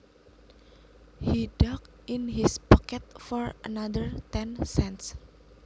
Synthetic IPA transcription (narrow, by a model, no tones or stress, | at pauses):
hidɔk̚ | ʔinɦispɔkɛt̪̚fɔɹə̰nad̪əɹt̪ɛ̃nsɛ̃nts